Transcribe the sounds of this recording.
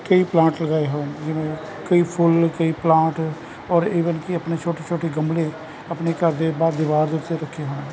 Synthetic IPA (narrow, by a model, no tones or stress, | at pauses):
kəiplãːʈləɡaːeɦoed͡ʒɪmẽ | kəipʰʊlkəiplãːʈ | ɔːɾiːʋənkiəpnet͡ʃʰoːʈet͡ʃʰoːʈeɡəmle | əpnekəɾd̪ebaːd̪ɪʋaːɾd̪ɪt̪eɾəkʰːeɦoːne